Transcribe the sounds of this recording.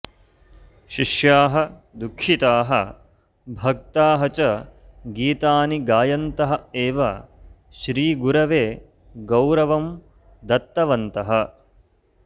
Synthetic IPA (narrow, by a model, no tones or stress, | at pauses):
ʃiʃjaːɦɐ̆d̪ukʰːit̪aːɦɐ | bʱɐk̚t̪aːɦɐt͡ʃɐɡiːt̪aːniɡaːjɐnt̪ɐɦɐeːʋɐ | ʃɾiːɡuɾɐʋeː | ɡɐwɾɐʋɐm | d̪ɐt̪ːɐʋɐnt̪ɐɦɐ